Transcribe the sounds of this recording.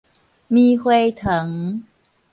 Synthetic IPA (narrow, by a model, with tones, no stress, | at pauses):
miː˧hwe˧jt̪ʰɤ˨˦ŋ